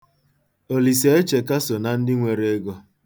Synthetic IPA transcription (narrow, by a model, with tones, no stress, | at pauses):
o˨li˨se˨˦e˦t͡ʃe˨ka˦so˨na˨n̩˦dɪ˦ŋʷe˨ɾe˦e˦ɡɔ˦